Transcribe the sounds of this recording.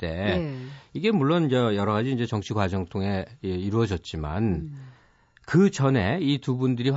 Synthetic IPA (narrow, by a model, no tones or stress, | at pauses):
t͈e̞ | iɡe̞muɭːonid͡ʑejʌɾʌɣad͡ʑiːnd͡ʑe̞t͡ɕʌŋt͡ɕʰiɡwad͡ʑʌŋtʰoŋe̞iɾuʌd͡ʑʌt̚t͡ɕ͈ima̰n | kɯt͡ɕʌne̞itubundɯɾi